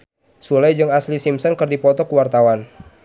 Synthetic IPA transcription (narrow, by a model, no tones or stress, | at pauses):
sulajd͡ʒɨŋaslisimsɔnkɨrdipɔt̪ɔkuwart̪awan